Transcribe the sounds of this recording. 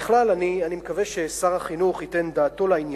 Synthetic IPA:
χlalanianimekaveʃe̞saʁaχinuχhite̞nd̪aːt̪o̞lainj

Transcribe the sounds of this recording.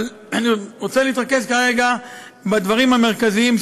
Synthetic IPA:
l | aniʁot͡seliit̪ʁake̞skaʁe̞ɡa | bad̪vaʁimhame̞ʁkaziim

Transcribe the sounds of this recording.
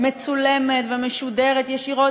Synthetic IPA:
me̞t͡sulemetvemeʃudeʁet̪jeʃiʁo̞

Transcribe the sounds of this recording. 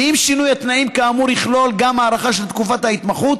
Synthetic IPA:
imʃinujat̪naimkaːmuʁiχlo̞lɡamaːʁaχaʃelt̪kufat̪hait̪maχut̪

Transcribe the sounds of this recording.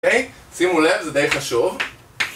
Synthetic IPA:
ej | simule̞vzed̪ejχaʃuv

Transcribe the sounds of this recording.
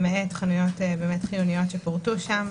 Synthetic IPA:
meetχanujo̞tbemetχilunijo̞tʃepoʁtuʃam

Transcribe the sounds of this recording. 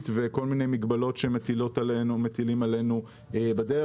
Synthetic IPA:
tveko̞lmine̞jmiɡbalo̞tʃemetilotnumet̪ilimale̞nu | ebade

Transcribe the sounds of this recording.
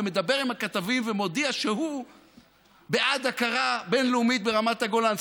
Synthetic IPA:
eme̞d̪abe̞ʁimhakat̪avimvemo̞d̪iaʃeɦu | beʔad̪akaʁabe̞nleumit̪̚be̞ʁamat̪aɡo̞laːns

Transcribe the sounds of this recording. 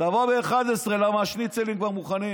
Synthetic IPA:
d̪avobeːχad̪esʁelamaːʃnit͡selimkvaʁmuχanim

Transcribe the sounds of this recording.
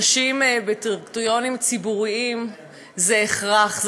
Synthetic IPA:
ʃimbetiʁɡt̪ujo̞nimt͡sibuʁiim | zeeχʁaχz

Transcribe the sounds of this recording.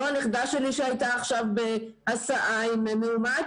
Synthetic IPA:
oaniχd̪aʃeliʃeajtaːχʃavbe | asaʔaimemeuma

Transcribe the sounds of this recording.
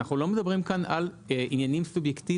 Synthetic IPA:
aχulo̞med̪ɐbʁimkanʔal | injanimsubjekti

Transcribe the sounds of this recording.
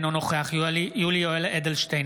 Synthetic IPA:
nonoχeaχjijulioeled̪elʃt̪ej

